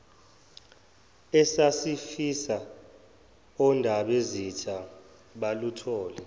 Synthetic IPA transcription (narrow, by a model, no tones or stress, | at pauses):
ɛsasifisa | ɔndʱaɓezit͡ʃʰʼa | ɓalutʰɔːlɛ